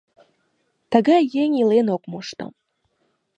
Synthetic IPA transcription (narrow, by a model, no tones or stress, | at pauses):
t̪aɡajeŋʲilenokmuʃt̪ɤ̰m